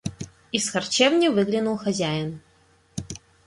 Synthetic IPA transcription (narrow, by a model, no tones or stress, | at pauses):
isxɐrt͡ɕevnʲɪvɨɡlʲɪnulˠxɐzʲæjɪn